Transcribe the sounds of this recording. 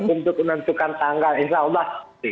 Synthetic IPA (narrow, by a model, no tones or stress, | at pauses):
unt̪ʊk̚nənt̪ukant̪aŋɡalinsaulːɑhi